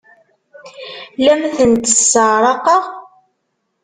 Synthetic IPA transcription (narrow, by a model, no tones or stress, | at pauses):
læmθənt̪əsːəɾˤɑqɑʁ